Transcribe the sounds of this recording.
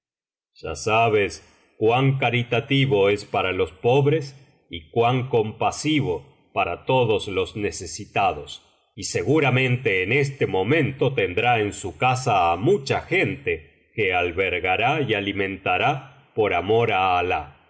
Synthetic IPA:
ʒ̥a̰saβes | kwaŋk̬aɾit̪at̪iβo̞espaɾalo̞spo̞βɾe̞s | ikwaŋko̞mpasiβo̞ | paɾat̪o̞ðoslo̞znesesit̪aðos | ise̞ɣuɾamẽ̞nt̪eːnest̪emo̞mẽ̞nt̪o̞t̪end̪ɾaensukasaːmut͡ʃaxent̪e | kealβeɾɣaɾaialimẽ̞nt̪aɾa | po̞ɾamo̞ɾaːla̰

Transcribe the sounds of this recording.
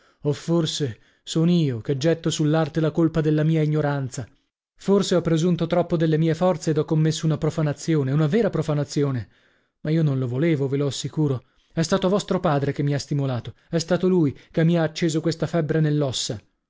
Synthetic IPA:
ofːorse | soniːoked͡ʒːɛt̪ːosulːart̪elakolpad̪elːamiːaiɲːoɾant̪sa | forseɔpːɾezunt̪ot̪ɾɔpːod̪elːemiːefɔrt̪seːd̪ɔkːomːesːounapɾofanat̪sːjoːneunavɛːɾapɾofanat̪sːjoːne | maiːonõnlovoleːvoveloasːikuːɾo | ɛst̪aːt̪ovɔst̪ɾopaːd̪ɾekemːiast̪imolaːt̪o | ɛst̪aːt̪olujkemːiaːt͡ʃːeːzokwest̪afɛbːɾenelːɔsːa

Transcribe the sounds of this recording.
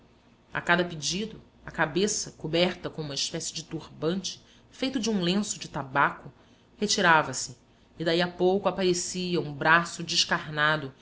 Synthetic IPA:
a̰kad̪ɐpid͡ʒid̪ʊ | ɐkabesɐkobɛɾt̪ɐkõũmɐɪʃpɛsɪd͡ʒɪt̪uɾbɐ̃nt͡ʃɪ̥ | fejt̪ʊd͡ʒɪũlẽsʊd͡ʒɪt̪abakʊ | het͡ʃiɾavɐsɪː | d̪aiapowkʊapaɾesiɐũbɾasʊd͡ʒɪʃkaɾnad̪ʊ

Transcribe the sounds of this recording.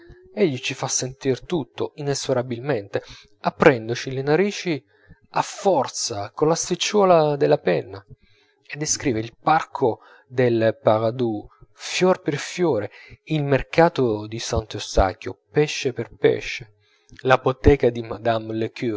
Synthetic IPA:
eʎːit͡ʃifasːent̪irt̪ut̪ːoinesoɾabilment̪e | apːɾɛnd̪ot͡ʃilenaɾiːt͡ʃi | afːɔrt̪sakolast̪it͡ʃːwɔːlad̪elapɛnːa | ed̪ːeskɾiːveilparkʰo | d̪elpaɾad̪ufjɔrperfjɔːɾeilmerkaːt̪od̪isant̪ost̪a̰kjopɛʃːeperpɛ̰ʃːe | lapot̪ɛːkad̪imad̪amleky

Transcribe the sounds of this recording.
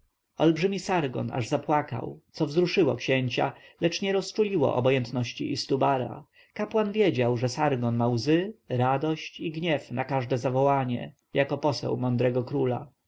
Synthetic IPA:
ɔlbʐɘmʲisaɾɡɔ̰na̰ʐzapwaka̰wt̪sɔvzɾuʂɘwɔkɕeɲt͡ɕa̰lɛt͡ʂɲɛɾɔst͡ʂulʲiwɔ̰ʔɔ̰bɔjɛnt̪nɔɕt͡ɕḭʔist̪ubaɾa̰ | kapwanvʲjɛd͡ʑawʐɛsaɾɡɔnmawzɘɾad̪ɔɕt͡ɕiɡɲɛfnakaʐd̪ɛzavɔwaɲɛ̰ | jakɔpɔsɛ̰wmɔnd̪ɾɛɡɔkɾula

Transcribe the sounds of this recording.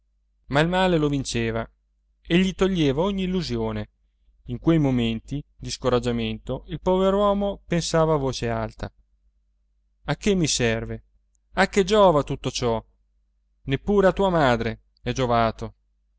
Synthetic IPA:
mailmaːlelovint͡ʃeːva | eʎːit̪oʎːeːvaoɲːiːlːuzjoːne | iŋkwejmoment̪id̪iskoɾad͡ʒːament̪oilpɔveɾwɔːmopensaːvaːvːoːt͡ʃealt̪ʰa̰ | akːemːisɛrve | ak̟ːed͡ʒɔːvat̪ut̪ːot͡ʃɔ | nepːuːɾeat̪uːamaːd̪ɾe | ɛd͡ʒovaːt̪o

